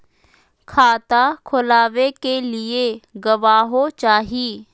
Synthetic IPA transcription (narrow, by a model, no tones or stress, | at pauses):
kʰaːt̪akʰʊlaːʋekelɪeɡɐʋaːɦot͡ʃaːɦiː